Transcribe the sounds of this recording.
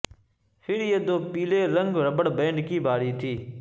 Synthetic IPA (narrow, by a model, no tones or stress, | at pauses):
pʰɪɾjeːd̪oːpiːleːɾəŋɡɾəbəɽbẽːɳɖkiːbaːɾiːt̪ʰiː